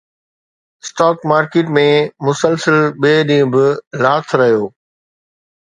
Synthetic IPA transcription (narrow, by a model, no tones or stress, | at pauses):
sʈaːkmaːɾkeːʈmẽmʊsəlsəlɓeːɗĩːʊ̃bɪlaːt̪ʰɾɐɦijoː